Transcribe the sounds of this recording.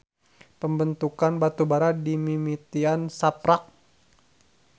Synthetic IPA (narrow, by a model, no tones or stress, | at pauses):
pəmbənt̪ukanbat̪ubaɾadimimit̪iansapɾak̚